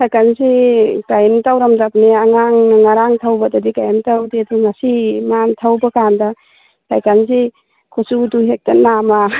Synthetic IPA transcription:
sʰajkansikajntawɾamzap̚neaŋaŋŋaɾaŋtʰawbadɐdikajmtawdeduŋasimantʰawbɐkanda | sʰajkans̬i | kʰosuduɦek̚tɐnama

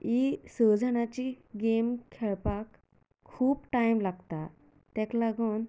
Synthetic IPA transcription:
isəd͡zʱənat͡ɕiɡemkʰɛɭpakʰː | uːbʈajmlaɡt̪a | t̪ɛ̃klaɡuːn

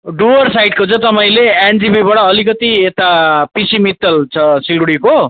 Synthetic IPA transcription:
ɖuʌrsajɖ̚kot͡sʰʌ̃t̪ʌpaĩleend͡zibibʌʈʌːlikʌt̪iet̪apisimit̪ːʌlt͡sʰʌsiɽɽiko

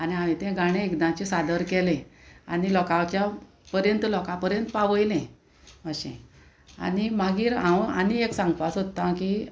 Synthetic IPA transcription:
aniaʋĩt̪ɛ̃ɡaɽ̃ẽekd̪ãt͡ɕisad̪əɾkɛlẽanilɔkãt͡ɕja | pəɾjənt̪lɔkãpəɾjənt̪paʋəjlẽ | əɕḛ̃ | a̰nimaɡiːɾãwa̰nieksãŋɡpasɦot̪ːãki

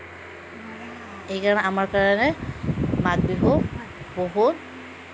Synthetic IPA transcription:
ejkaɹɔnɛamaɹkaɹanɛ | maɡbiɦo | boɦut̚

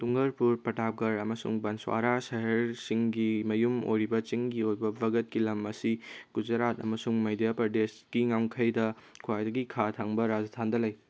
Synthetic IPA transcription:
tuŋɡɐɾpuɾpɐtap̚ɡɐɾɐmɐsṵŋbɐnswa̰ɾasɐɦɐɾsiŋɡimɐjumo̰jɾibɐt͡ʃiŋɡiojbɐbɐɡɐt̚kilɐmɐsiɡ̥ud͡ʒɐɾatɐ̰mɐsuŋmɐjdjapɾɐdesɡ̥iŋawŋkʰɐjdɐkʰuwajdɐɡikʰatʰaŋbɐɾad͡ʒɐtʰandɐlɐj

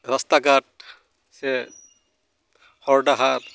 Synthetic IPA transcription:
ɹɔstaɡat̚ | sɛ | hɔɹdaɦat

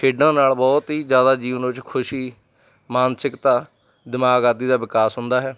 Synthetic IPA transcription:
ʃʰeːɖãːnaːlbɔːt̪ɦiːzjaːd̪aːd͡ʒiːʋənʋɪt͡ʃkʰʊʃiː | maːnsɪkt̪ãː | d̪ɪmaːɡaːd̪iːd̪aːʋɪkaːsɦʊnd̪aːɦɛː

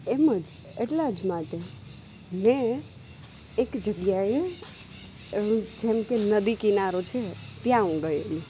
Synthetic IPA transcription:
eməd͡ʒ | eʈlad͡ʒmaʈe | mẽ | kd͡ʒəɡjae | d͡ʒemkenəd̪ikinaɾot͡ʃʰet̪jãũɡəelũ

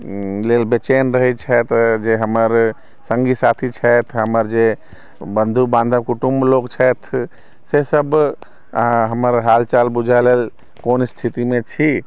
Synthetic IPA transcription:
lelbet͡ʃenɾəɦɛt͡ʃʰɛt̪d͡ʒeɦəməɾ | səŋɡisat̪ʰit͡ʃʰɛt̪ʰɦəməɾd͡ʒe | bənd̪ʱubãnd̪ʱakuʈumblokt͡ʃʰɛt̪ʰ | sesəb | ɦəməɾɦalt͡ʃalbud͡ʒʱəlel | konst̪ʰit̪imet͡ʃʰi

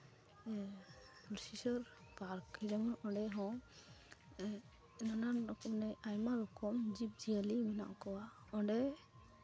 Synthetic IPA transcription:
lisisɔɾpaɾkid͡ʒamɔnɔɖɛɦɔ̃ | nanaɔkɔmnɛʔajmaɾɔkɔmd͡ʒip̚d͡ʒialimina̰ʔkɔwaɔɖɛ

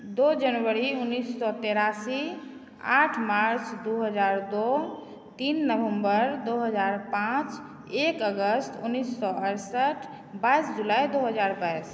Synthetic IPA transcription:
d̪od͡ʒənʋəɾiunːisːɔt̪eɾasi | a̰ʈʰmaɾt͡ʃd̪uɦəd͡ʒaɾd̪o | t̪inːəbəmbəɾd̪oɦəd͡ʒaɾpãt͡ʃ | ekəɡəst̪ʰunːisːɔəɾsəʈʰ | bajsd͡ʒulaid̪oɦəd͡ʒaɾbajs

